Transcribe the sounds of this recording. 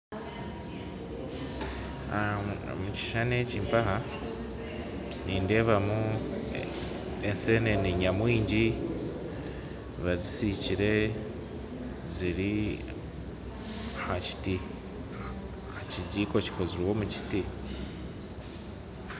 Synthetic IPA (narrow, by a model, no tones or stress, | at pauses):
muci̥ʃaneciːmpaha | niːnde̞ːβamu | ense̞ne̞niɲamwiːɲɟi | βazisiciɾe̞ | ziɾi | haci̥ti | haciɟiːko̞ci̥ko̞ziɾwo̞muci̥ti